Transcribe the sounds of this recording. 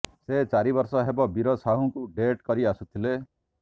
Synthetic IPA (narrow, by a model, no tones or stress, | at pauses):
set͡ʃaɾibɔɾsɔɦebɔbiɾɔsaɦũkuɖeʈkɔɾiasut̪ʰile